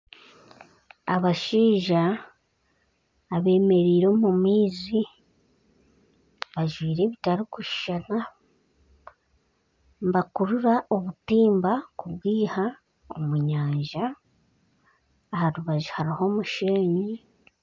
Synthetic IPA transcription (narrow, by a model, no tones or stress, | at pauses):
a̰βaʃiːʒa | βe̞ːme̞ɾiːɾo̞mumiːzi | βaʒwiːɾe̞ːβitaɾokuʃi̥ʃana | mbakuɾuɾaʔo̞βutiːmbakuβwiːha | omuɲaːɲʒa | haɾuβaʒuhaɾiho̞muʃeːɲi